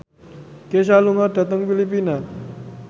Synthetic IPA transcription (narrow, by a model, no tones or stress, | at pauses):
kes̬aluŋarda̤t̪əŋfilip̬ina